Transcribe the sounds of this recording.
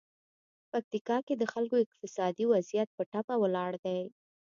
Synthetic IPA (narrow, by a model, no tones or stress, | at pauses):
pak̚t̪ikɑked̪əxalkoɪq̚t̪ɪsɑd̪iwazijat̪̚pəʈapawəlɑɽd̪aj